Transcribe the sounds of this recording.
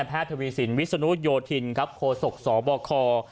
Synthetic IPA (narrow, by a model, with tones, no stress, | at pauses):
pʰaː˥˩t̪ʰa˧wiː˧si˩˦nwi˦˥sa˧nu˦˥t̚joː˧t̪ʰi˧nkʰa˦˥p̚kʰoː˧so˨˩k̚sɔː˩˦bɔː˧kʰɔː˧